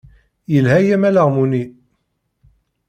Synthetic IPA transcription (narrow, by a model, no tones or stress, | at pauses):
jəlɦæjæmæləʁmuni